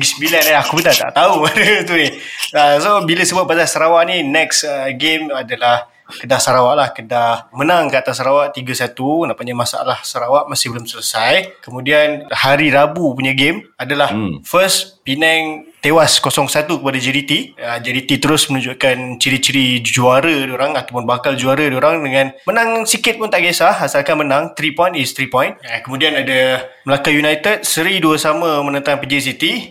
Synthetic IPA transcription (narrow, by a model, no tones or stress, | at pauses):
ɡisəbilanaakubət̪at̪a̰ʔt̪audət̪uniasobiləsəbuat̪̚bat̪asaɾawaʔninɛksəɡemadalah | kədasaɾawaʔlahkədahmənaŋkəat̪asːaɾawaʔt̪iɡasat̪unãʔpuɲamasa̰a̰lahsaɾawaʔmasɪhbəlʊmsələsajkəmũdianhaɾiɾabupuɲaɡemadalahfəspinɛŋt̪ewaskosɔŋsat̪ukəpadad͡ʒɛɾit̪iəd͡ʒɛɾit̪it̪əɾʊsmənũɲd͡ʒuʔkant͡ʃəɾit͡ʃəɾid͡ʒuaɾədioɾaŋat̪awpʊnbakald͡ʒuaɾədioɾaŋdəŋãnmənãŋsikɪt̪̚pʊnt̪aʔɡesaasalkamənãŋt̪ɾipɔjnɪst̪ɾipɔ̃jnakəmũdianadaməlakajunajt̪əd̚səɾiduəsamə̃mənə̃nt̪aŋpəd͡ʒis̬it̪i